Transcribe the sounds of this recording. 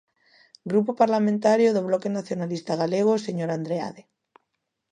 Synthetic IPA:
ɡɾupopaɾlamẽnt̪aɾjoðoβlɔkenaθjonalist̪aɣ̞aleɣ̞oseɲoɾand̪ɾea̰ðe

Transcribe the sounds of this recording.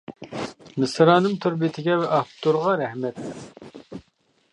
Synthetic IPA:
mɨsɾɑːnɨmt̪ʰuɾbit̪ʰɪɡʲɛvɛʔɑpt̪uɾʁɑɾɛhmɛt̪ːɾ

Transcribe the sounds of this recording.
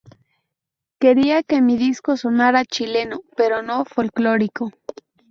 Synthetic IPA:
keɾiakemiðiskosonaɾat͡ʃilenopeɾonofolkloɾiko

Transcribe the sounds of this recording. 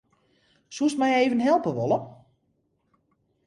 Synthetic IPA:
susmɛjeːvənɦɛlˠpəʋolˠə

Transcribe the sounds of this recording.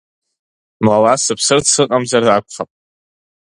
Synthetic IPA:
mlalasɨpʰsɨrsɨqʼamzarakʷʰʼχapʼ

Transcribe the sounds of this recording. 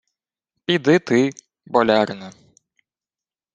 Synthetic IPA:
pʲid̪ɪt̪ɪ | bɔlʲarnɐ

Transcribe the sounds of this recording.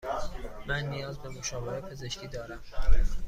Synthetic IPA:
mænːijɒːzbe̞moʃɒːbeʔepʰe̞ze̞ʃcʰiːd̪ɒːɾæm

